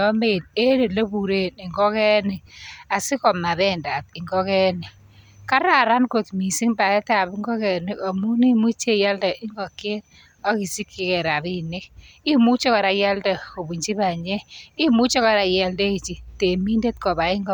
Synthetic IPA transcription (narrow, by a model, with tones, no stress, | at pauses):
ɔ˦me˨ne˦ɾe˨lo˦bu˨ɾe˦nɪ˨ŋɡɔ˦kɛ˦nɪ˨a˨sɪ˦kɔ˨ma˨bɛ˦˨nda˨t̪ɪ˨ŋɡɔ˦kɛ˦nɪ˨ | ka˦ɾa˨ɾa˦nko˨t̪mi˨si˦ŋba˨ɛ˦ta˦a˨bɪ˦ŋɡɔ˦kɛ˨nɪ˦o˨mu˦ni˦mu˦t͡ʃe˦˨ja˦lda˨ʔɪ˦ŋɡɔ˨kje˦t | ɔ˦ki˨si˦kːɪ˦kɛ˨ɾa˨bi˦ne˦ | i˦mu˦t͡ʃɔ˦ka˨ɾa˨ja˦lda˨o˨bu˨ɲd͡ʒi˦ba˨ɲɛ˦ɪ˦mu˦t͡ʃɔ˦ka˨ɾa˨ja˨lde˦i˨t͡ʃi˨te˨mi˦nde˦t̪kɔ˨ba˨ɪ˦ŋɡɔ˦